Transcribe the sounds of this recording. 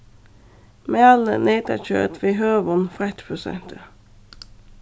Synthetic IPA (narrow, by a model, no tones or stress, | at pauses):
meːɑlə̰neːt̪əc͡çø̰ːt̪ʋiːɦøːʋɔnfʁɛt̪pʰʊsɛ̰nt̪ʰə